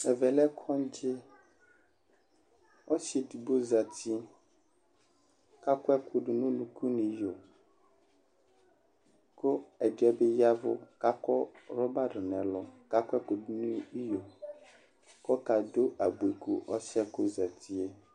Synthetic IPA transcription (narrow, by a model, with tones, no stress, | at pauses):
ɛ˨vɛ˨lɛ˦kʰɔ˦n˦d͡ʒɪ˦ | ɔ˦si˨dbo˦za˨t̪i˦ | ka˦kɔ˦ɛ˦ku˨ɖu˨nũ˦nũ˦kʰu˦nĩ˨jo˨ | ko˦ɛ˨dɛ˦be˦ja˦vʊ˦ka˦kɔ˦ɾɔ˦ba˦ɖʊ˨nɛ̃˨lɔ˨ka˦kɔ˦ɛ˦ku˨du˨˦nũ˦i˦jo˨ | kɔ˦ka˨do˦ʔa˨bu˨e˨ku˦ʔɔ˦sɛ˦ko˦za˨t̪ʰi˦e˦